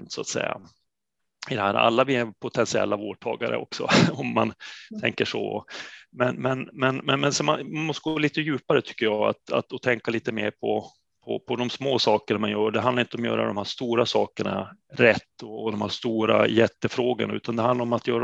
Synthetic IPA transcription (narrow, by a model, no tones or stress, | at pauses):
nt̪sʊat̪sɛ̰jːa̰ | ɪd̪ɛhæːɾa̰lːavɪɛpʰʊt̪ʰɛnsɪɛ̰lːavoːʈʰɑ̰ːɡaɾə̰ɔ̰ksɔ̰ɔmːant̪ʰɛ̰ŋkəʂɔ̰ɔ̰mɛnmɛnmɛnmɛnmɛnsɔmanmanmɔst̪əɡoːliːt̪əjʉ̟ːpaɾət̪ʰʏ̥kːəjɑːa̰t̪a̰t̪ɔt̪ʰɛŋkaliːt̪əmeːɾpʰɔ | pʰɔ̰pʰɔd̪ɔmsmoːsɑːkəɳamanjœːɖɛɦand̪aɾɪnt̪əɔmjœ̰ːɾʔa̰d̪ɔmhæːʂt̪uːɾasɑːkəɳa̰ɾɛt̪ːɔːd̪ɔmhæːʂt̪uːɾa̰jɛt̪ːəfɾoːɡənaʉ̟ːt̪ʰand̪ɛhand̪laɾɔmat̪ʰjœːɾ